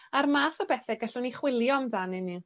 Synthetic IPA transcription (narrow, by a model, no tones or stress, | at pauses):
armaːθɔbɛθɛɡəɬʊniχwɪlˠjɔmdanɪni